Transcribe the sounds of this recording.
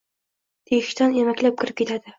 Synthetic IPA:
t̪ʰeɪʃt̪ʰanemakʲlap̚kʲʰɪɾɪp̚kʲʰe̞t̪ʰad̪ɪ

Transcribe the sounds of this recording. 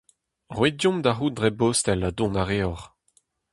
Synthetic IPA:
ʁwedjɔ̃md̪aɦuːdʁɛbost̪ɛladɔ̃naʁeɔʁ

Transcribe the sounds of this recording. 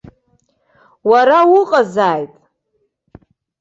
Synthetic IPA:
waɾawʊqʼazaːjtʼ

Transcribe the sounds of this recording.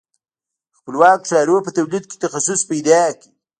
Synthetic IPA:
xpəlwɑkʂɑɾopət̪awlid̪̚ke̥t̪axasʊspajd̪ɑki

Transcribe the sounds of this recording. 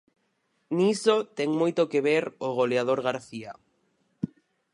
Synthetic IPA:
nisot̪ɛŋmojt̪okeβeɾoɣoleað̞oɾɣaɾθia

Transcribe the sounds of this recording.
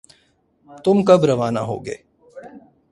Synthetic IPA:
t̪ʊmkɐbɾɐʋaːnaɦo̰ːɡḛː

